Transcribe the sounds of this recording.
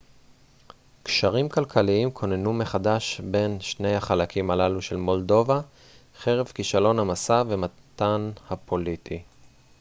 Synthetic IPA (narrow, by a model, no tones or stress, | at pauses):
kʃaʁimkalkʰaliimkʰo̞nenume̞χadaʃbe̞nʃne̞jhaχalakʰimalaluʃe̞lmo̞ldo̞va | χe̞ʁevkiʃalo̞nhamasave̞mat̪anhapʰo̞litʰi